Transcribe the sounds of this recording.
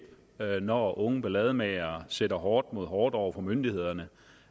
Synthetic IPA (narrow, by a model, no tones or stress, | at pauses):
nɒʔɔ̽ŋəb̥elɛð̞ˠmɛɪɐːsed̥ɐɦɒːd̥mo̝ð̞̰ˠɦɒːd̥ɒʊ̰ɐfɒ̽mønd̥ihe̝ð̞̰ˠɐnə